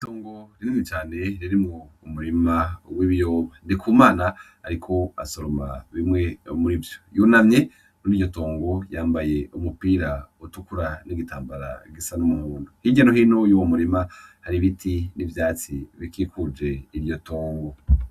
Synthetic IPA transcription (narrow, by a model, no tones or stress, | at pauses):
toːŋɡo̞ɾiniit͡ʃaːne̞ɾiɾimuːmuɾimawiβijo̞ːβandikʰuːmaːnahaɾikʰo̞a̰soɾomaβimŋe̞muɾivjojuːnamɲe̞ | muɾijo̞to̞ːŋɡo̞jaːmbaje̞umupiːɾautukuɾaniɡitaːmbaɾa̰ɡisanumuhuːndohiɲɟanoɦiːno̞juwomuɾimahaɾiβitʰinivjaːt͡sḭβikiːkʰud͡ʒe̞iɾjo̞toːŋɡo̞